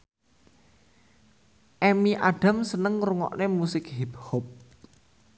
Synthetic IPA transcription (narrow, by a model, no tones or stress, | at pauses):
ʔɛmiʔaɖ̥ä̤msənəŋruŋɔ̰ʔnemusɪkɦiphɔp̚